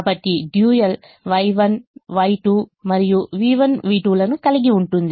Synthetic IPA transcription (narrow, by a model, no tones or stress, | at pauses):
bɐʈːiɖjuːjɐl | ʋɐjʋɐnʋɐjʈumɐɾɪjuʋiːʋɐnʋiːʈulɐnukɐlɪɡiuɳʈund̪ɐ